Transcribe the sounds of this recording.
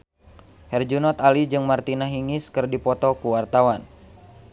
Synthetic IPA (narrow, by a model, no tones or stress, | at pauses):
hɛrd͡ʒunɔt̪alid͡ʒɨŋmart̪inaɦiŋɪskɨrdipɔt̪ɔkuwart̪awan